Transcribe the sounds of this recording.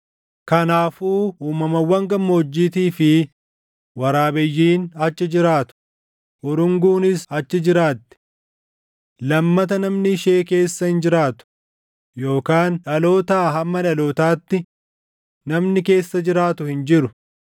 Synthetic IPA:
kɐnaːfuːuːmɐmɐwɐŋɡɐmːoːd͡ʒːiːt̪iːfɪ | wɐɾaːbɪjːiːnɐt͡ʃːɪd͡ʒɪɾaːt̪ʊ̥ | ʔɔɾʊŋɡuːnɪsɐt͡ʃːɪd͡ʒɪɾaːt̪ːɪ̥ | lɐmːɐt̪ɐnɐmnɪːʃe̞ːke̞ːsːɐhɪnd͡ʒɪɾaːt̪ʊ̥ | jo̞ːkaːnᶑɐloːt̪aːɦɐmːɐᶑɐloːt̪aːt̪ːɪ | nɐmnɪke̞ːsːɐd͡ʒɪɾaːt̪ʊhɪnd͡ʒɪɾʊ

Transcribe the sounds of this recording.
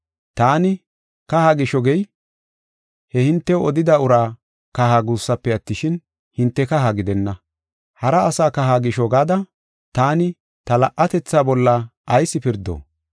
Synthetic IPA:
t̪aːnɪ | kɐhaːɡɪʃɔɡɛj | hɛhɪnt̪ːɛɔd̪ɪd̪ɐʊɾaː | kɐhaɡuːsːɐpːɛɐt̪ːɪʃɪn | hɪnt̪ːɛkɐɦaɡɪd̪ɛnːɐ | hɐɾɐːsaːkɐɦaːɡɪʃɔɡaːd̪ɐ | t̪aːnɪ | t̪ɐlɐʔɐt̪ɛt͡sːaːbɔlːɐʔɐjsːɪpɪɾd̪o̰ː

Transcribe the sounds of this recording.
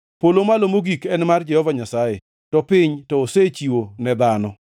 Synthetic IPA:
polomalomoɡikɛnmard͡ʒɛhɔvaɲasaje | tɔpɪɲtɔːset͡ʃiwonɛd̪anɔ

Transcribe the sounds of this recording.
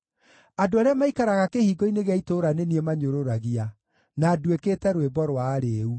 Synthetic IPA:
adoaɾeɛamaikaɾaɣakehiːɡɔineɣeaitoɾaneniemaɲoɾoɾaɣia | naːdweketɛɾwebɔɾwaɾeu

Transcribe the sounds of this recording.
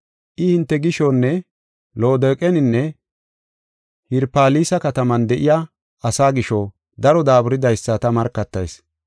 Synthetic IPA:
ʔɪhɪnt̪ːɛɡɪʃɔnːɛ | lo̞ːd̪eːkʼɛnɪnːɛ | hɪɾpaːliːsɐkɐt̪ɐmɐnd̪ɛʔɪja | ɐsaːɡɪʃɔ | d̪ɐɾɔd̪aːbʊɾɪd̪ɐjsːɐt̪ɐmɐɾkːɐt̪ːɐ̰js

